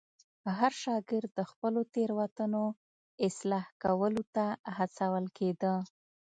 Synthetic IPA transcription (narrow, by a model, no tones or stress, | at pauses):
ɦaɾʃɑɡɪɾd̪̚ːəxpəlot̪eɾwat̪əno | ɪslɑhkawəlot̪aɦat͡sawəlked̪ə